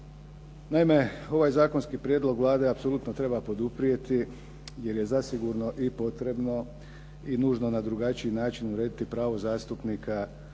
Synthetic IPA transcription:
naime̞o̞ʋaːjzaːko̞nskipɾjed̪lo̞ɡʋlˠaːd̪e̞apsolut̪no̞t̪ɾe̞bapo̞d̪upɾije̞t̪i | je̞ɾje̞zasiɡuɾno̞ʔipo̞t̪ɾe̞bno̞ | inuːʒno̞nad̪ɾuɡat͡ʃiinaːt͡ʃinuɾe̞ːd̪it̪ipɾaːʋo̞zaːst̪upnikʰa

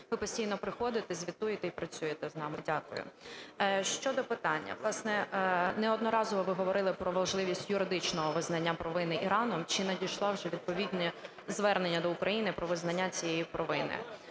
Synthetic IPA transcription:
ʋɪpɔsʲtʲijnɔpɾɪxɔd̪ɪt̪ɛzʲʋʲit̪ujet̪ɛipɾɐt͡sʲujet̪ɛznɑmɪdʲakʊ̰jʊ̰ | ʃt͡ʃɔd̪ɔpɪt̪ɑnʲːɐ̰ʋlˠɑsnɛnɛɔd̪nɔɾɑzɔʋɔʋɪɦɔʋɔɾɪlˠɪpɾɔʋɐʒlˠɪʋʲisʲtʲjʊɾɪd̪ɪt͡ʃnɔɦɔʋɪznɐnʲːapɾɔʋɪnɪʔiɾɑnɔmt͡ʃɪnɐdʲijʃlˠɑwʒɛʋʲid̪̚pɔʋʲidʲnʲɛ | zʋɛrnenʲːɐd̪ɔukɾʔɐjinɪpɾɔʋɪznɐnʲːat͡sʲijejipɾɔʋɪnɪ̰

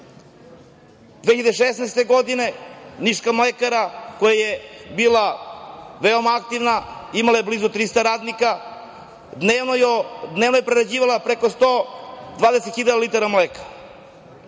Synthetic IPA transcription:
d̪ʋeːçiʎad̪eʃesnajst̪e̞ɡod̪ine̞niʃkamlekaɾakojajebiːla | ʋeomaak̚t̪iʋnaimalajeblizut̪ɾist̪aɾaːd̪nika | jd̪nevnoje̞pɾeɾad͡ʑiːʋalapɾekost̪od̪ʋaːd̪eset̪xiʎad̪alit̪aɾamleːkḁ

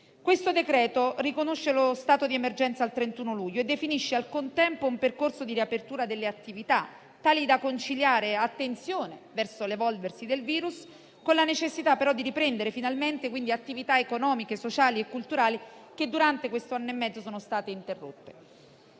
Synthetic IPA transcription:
kwest̪od̪ekɾɛːt̪orikonoʃːelost̪aːt̪od̪iemerd͡ʒɛnt̪saːlt̪ɾent̪uːnoluʎːoed̪ːefiniʃːealkont̪ɛmpoumperkorsod̪iɾiapert̪uːɾad̪elːeat̪ːivit̪a | t̪ːaːlid̪akont͡ʃiljaːɾeat̪ːent̪sjoːnevɛrsolevɔlversid̪elviːɾus | konlanet͡ʃesːit̪apːeɾɔd̪ːiɾipɾɛnd̪eɾefinalment̪ekwind̪iat̪ːivit̪aekonɔːmikesot͡ʃaːliekːult̪uɾaːliked̪ːuɾant̪ekwest̪oanːoemːɛd̪zosoːnost̪aːt̪eint̪erːo̰t̪ːe̥

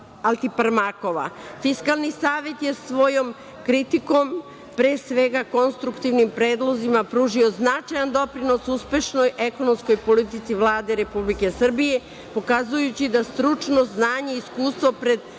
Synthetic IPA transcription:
alt̪ipɾmako̞ʋa̰fiskalˠnisaːʋe̞t̪je̞sʋo̞jo̞m | kɾit̪iko̞m | pɾe̞ːsʋe̞ɡako̞nst̪ɾukt̪iʋnimpɾe̞ːd̪lˠo̞zimapɾuːʒio̞znat͡ʃajand̪o̞pɾino̞suspʲje̞ʃno̞jʔe̞ko̞no̞msko̞jpo̞lit̪it̪siʋlˠaːd̪eɾe̞publike̞sr̩bije̞ | po̞kazujut͡ɕid̪ast̪ɾut͡ʃno̞znaːɲe̞iskuːst̪ʋo̞pɾe̞d̪

